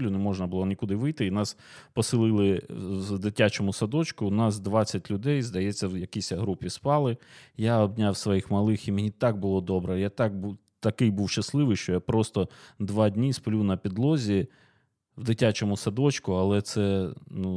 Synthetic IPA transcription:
lʲunɛmɔʒnɐbʊlˠɔnʲikʊd̪ɪʋɪjt̪ɪinɑs | pɔsɪlˠɪlˠɪd̪ɪtʲat͡ʃɔmʊsɐd̪ɔt͡ʃkʊnɑs̬d̪ʋɑt͡sʲːɐtʲlʲʊd̪ɛjzd̪ɐjɛt͡sʲːɐwjɐkisʲɐɦɾupʲispɑlˠɪjaɔbnʲawsʋɔjixmɐlˠɪximenʲit̪ɑɡ̚bʊlˠɔd̪ɔbɾɛjat̪ɑk̚bu | t̪ɐkɪjbuwʃɐslˠɪʋɪjʃt͡ʃɔjapɾɔst̪ɔd̪ʋɑdʲnʲisplʲuwnɐpʲid̪lˠɔzʲi | wd̪ɪtʲat͡ʃɔmʊsɐd̪ɔt͡ʃkʊɐlˠɛt̪sɛnu

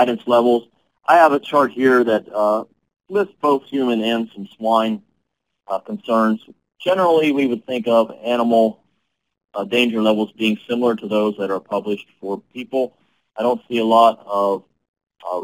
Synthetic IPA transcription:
ɪɾɨ̃nslɛvl̩ˠz | ʔaɪəvət͡ʃʰɑɹt̚hiɹðɨt̚ʌ | lɪst̚b̥oʊθhjʉmɨ̃nɛ̃n̥sʌ̃mswãɪ̃n | kʰn̩sɜ̃˞nz̥ | ʒ̥ɛnə˞l̩ˠiwiwəd̪̚θɪ̃ŋkʌvæñəml̩ˠ | dẽɪ̃nd͡ʒə˞lɛvl̩ˠzbiɪ̃ŋsɪ̃ml̩ˠə˞ɾəðoʊzðɨɾə˞pʰʌblɨʃtfə˞pʰipl̩ˠ | aɪɾõʊ̃ntsiəlɔɾʌv̥

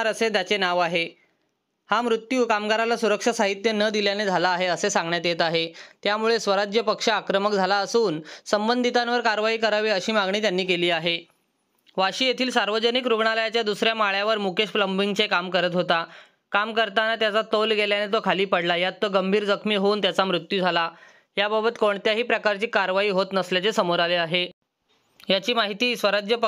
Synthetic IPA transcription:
ɾəset̪jat͡senaʋaɦe | hamɾut̪juːkamɡaɾalasuɾəkʂəsaɦit̪jənəd̪iljaned͡zʱalaːɦeəsesãŋɡɳjat̪jet̪aɦet̪jamuɭesʋəɾad͡ʑjəpəkʂəakɾəmək̚d͡zʱalaəsuːnsəmbənd̪ʱit̪ãnʋəɾkaɾʋaɦiːkəɾaʋiːəɕiːmaɡɳ̃iːt̪janːiːkeliːaɦe | ʋaɕiːjet̪ʰiːlsaɾʋəd͡ʑənikɾuɡɳaləjat͡ɕjad̪usɾjamaɭjaʋəɾmukeɕpləmbiŋɡt͡sekamkəɾət̪ɦot̪a | kamkəɾt̪anat̪jat͡sat̪olɡeljanet̪̬okʰaliːpəɽlajat̪ːoɡəmbʱiːɾd͡zəkʰmiːɦouːnt̪jat͡samɾut̪jud͡zʱala | ɦjababət̪koɳt̪jaɦiːpɾəkaɾt͡ɕiːkaɾʋaiːɦot̪nəsljat͡sesəmoɾaleaɦe | jat͡ɕiːmaɦit̪iːsʋəɾad͡ʑjəpə

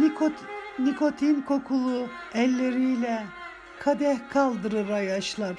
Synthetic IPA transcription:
knikʰo̞t̪ʰinkʰo̞kʰulˠu | ɛlʲːe̞ɾijlʲɛ | kʰad̪ɛhkʰalˠd̪ɯɾɯɾajaʃlˠaɾ̥

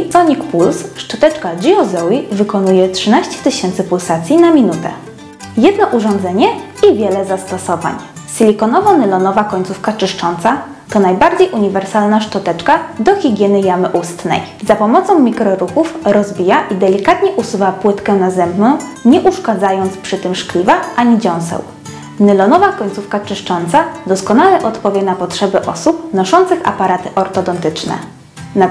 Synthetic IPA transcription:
sɔɲikpulsʂtɔt̪ɛt͡ʂkad͡ʑiɔzɔwivɘkɔnujɛtʂɘnaɕt͡ɕɛ̥t̪ɘɕɛnt̪sɘpulsat̪sʲjinamʲinut̪ɛ̰ | jɛd̪nɔʔuʐɔnd̪zɛɲɛ | ivʲjɛlɛzast̪ɔsɔva̰ɲ | sʲilʲikɔnɔvɔnɘlɔnɔvakɔɲt̪sufkat͡ʂɘʂt͡ʂɔnt̪sa | t̪ɔnajbaɾd͡ʑejʔuɲivɛɾsalnaʂtɔt̪ɛt͡ʂkad̪ɔxʲiɡʲjɛnɘjamɘʔust̪nɛ̰j | zapɔmɔt̪sɔ̃w̃mʲikɾɔɾukufɾɔzbʲijaʔid̪ɛlʲikat̪ɲɛʔusuvapwɘt̪kɛnazɛmbnɔ̃w̃ɲɛʔuʂkad̪zajɔnt̪spʂɘt̪ɘmʂklʲivaʔaɲid͡ʑɔ̃w̃sɛ̰w | nɘlɔnɔvakɔɲʲt̪sufkat͡ʂɘʂt͡ʂɔnt̪sad̪ɔskɔnalɛʔɔt̪pɔvʲjɛnapɔtʂɛbɘʔɔsup̚nɔʂɔnt̪sɘxa̰paɾat̪ɘʔɔɾt̪ɔd̪ɔnt̪ɘt͡ʂnɛ̰ | na

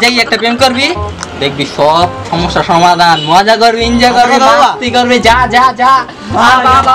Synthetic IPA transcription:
d͡ʒajɛk̚ʈapemkoɾbid̪ek̚ʰbisɔbʃɔmoʃːasɔmad̪ʱanmoad͡ʒakoɾbiind͡ʒakoɾbit̪ikoɾbid͡ʒad͡ʒad͡ʒa | bababa

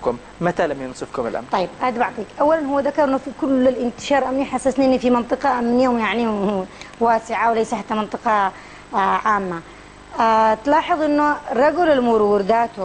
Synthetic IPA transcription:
kʊm | mat̪alamjʊnsˤɨfkʊmɪ̰lʔa̰mt̪ɑjːɪb̚ʔad̪baʕt̪ˤiːkʔawːalanɦʊwːaðakːɑɾˤʔɪnːʊfikʊlɪlʔɪnt̪ɪ̥ʃɑːɾˤʔamniħasːasnʔɪnifimɪnt̪ˤɨqɑʔmːɪnjoːmjaʕni | waːsɪʕawlajsaħat̪ːamɪnt̪ˤɨqɑ | ʕaːmːa | t̪lɑːħɨðˤʔɪnːʊrˤːɑɡʊlɪlmuɾwʊɾd̪aːt̪

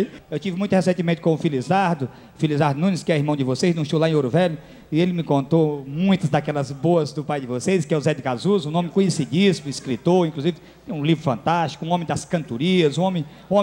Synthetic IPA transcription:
ewt͡ʃivɪmũj̃t̪ʊhesẽimẽt̪ɪ̥kõʊfilizaɾd̪ʊ | filizaɾd̪ʊnũnɪskɪɛiɾmɐ̃w̃d͡ʒɪvoseznũʃowlaẽoɾʊvɛʎʊ | ɪelɪmɪkõnt̪omũj̃t̪ɐzd̪akɛlɐzboɐzd̪ʊpajd͡ʒɪvoseskɪɛʊzɛd̪ɪkazuzũnõmɪ̃kõɲesid͡ʒismʊiskɾit̪oɾĩkluzivɪt̪t̪ẽj̃ũlivɾʊfɐ̰̃nt̪ast͡ʃi̥kʊũõmẽj̃d̪ɐskɐ̃nt̪uɾiɐzũõmẽj̃ | ũõ

